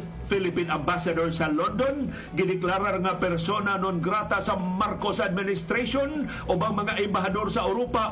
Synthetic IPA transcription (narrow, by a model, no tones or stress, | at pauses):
filipinambasadorsalondon | ɡɪdɛklaɾarŋapɛrsonanonɡɾat̪asamarkosad̚minɪst̪ɾason | ʔobaŋmaŋaʔɛmbaɦadorsaawɾopa